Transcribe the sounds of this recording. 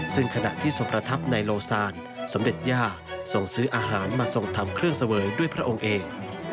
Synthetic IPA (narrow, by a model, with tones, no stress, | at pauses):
sɯ˥˩ŋkʰa˧na̰˨˩ʔt̪ʰiː˥˩so˨˧˦ŋpʰɾa˧t̪ʰa˦˥p̚na˧jloː˧saː˧n | so˩˦mde˨˩t̪̚jaː˥˩ | so˧˩ŋsɯː˦˥ʔaː˧ɦaː˩˦nmaː˧so˧ŋt̪ʰa˧mkʰɾɯ˥˩əŋsa˧wɤː˩˦jdu˥˩əjpʰɾa˦˥ʔo˧ŋʔeː˧ŋ